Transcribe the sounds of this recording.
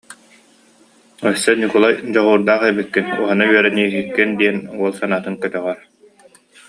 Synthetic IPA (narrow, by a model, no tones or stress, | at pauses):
œsːɛnikulˠajd͡ʑɔʁuːɾd̪aːχɛbikːinuɦɔnayœɾɛniːɦikːind̪iɛnuɔlˠsanaːt̪ɯŋkœt̪œʁœɾ